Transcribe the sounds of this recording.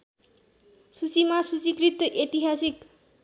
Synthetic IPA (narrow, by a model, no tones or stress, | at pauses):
sut͡simasut͡sikrit̪ːʌʔet̪iɦasik